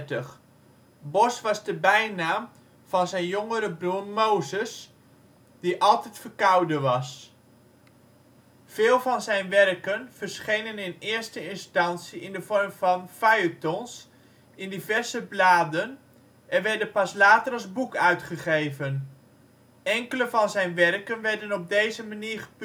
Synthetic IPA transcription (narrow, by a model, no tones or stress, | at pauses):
təχ | bɔsʋɑzdəbɛjnaːm | v̥ɑnzɛjnjoŋəɾəbrurmowzəs | d̥iʔɑlˠtɛjtfərkɑwdəʋɑs | vɪːlˠvɑnzɛjnʋɛrkənv̥ərsχejnənɪnɪːɹstəɪnstɑntsiɪndəvɔɹmv̥ɑnfajətɔns | ɪndivɛɹzəblaːdən | ɛnʋɛɹdənpɑslaːtəɾɑlˠzbukœɥtχəχejvən | ɛŋkələvɑnzɛjnʋɛrkənʋɛɹdənɔb̚dejzəmaniːɹχə̥p